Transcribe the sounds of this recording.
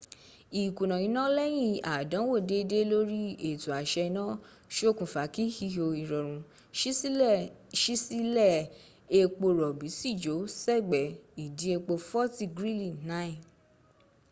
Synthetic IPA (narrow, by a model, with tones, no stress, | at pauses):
i˨kũ˨nã˨jĩ˨˦nã˦lɛ˦j̃ĩ˦˨a˨dã˨˦wo˦˨de˨˦˧de˦lo˦ɾi˦e˨tu˨a˨ʃɛ˧nã˦ | ʃo˦kũ˨fa˨˦ki˦hi˧ho˧i˨˧ɾɔ˨ɾ̃ũ˨˦ | ʃi˦si˦lɛ˦˨ | e˧k͡po˧ɾɔ˨bi˨˦si˦˨d͡ʒo˨˦sɛ˦˨ɡ͡bɛ˨i˨di˨˦e˧k͡po˧fɔ˦ti˧ɡɾi˦lĩ˦˨na˦i˨